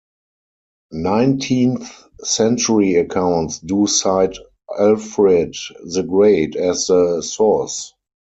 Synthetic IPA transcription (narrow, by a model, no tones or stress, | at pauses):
nãɪ̃ntʰĩːnθ | sɛ̃nt͡ʃəɹiəkʰãʊ̃ntsduːsaɪd | ɛlfɹɛdðəɡɹeɪdɛsðəsɔs